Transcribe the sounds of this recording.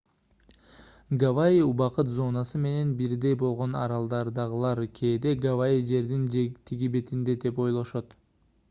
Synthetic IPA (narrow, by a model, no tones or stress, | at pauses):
ɡavaiubɑqɯt̪zo̞nɑsɯme̞ne̞nbiɾd̪e̞jbo̞lˠʁo̞nɑ̰ɾɑlˠd̪ɑɾd̪ɑʁɯlˠɑɾkʰʲe̞ːd̪e̞ɡavaid͡ʒe̞ɾd̪int̪ʰiɡʲibe̞t̪ind̪e̞d̪e̞po̞jlˠo̞ʃot̪